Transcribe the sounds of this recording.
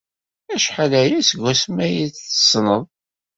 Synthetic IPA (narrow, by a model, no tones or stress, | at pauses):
æʃħalæɾæsəɡːæsmæjiθθə̥sˤnəðˤ